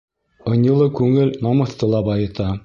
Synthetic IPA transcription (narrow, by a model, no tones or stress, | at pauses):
ŏnʲjɤ̆lˠɤkʉŋɘlnɑmɤ̆θt̪ːɤ̆lˠɑbɑjɤ̆t̪ɑ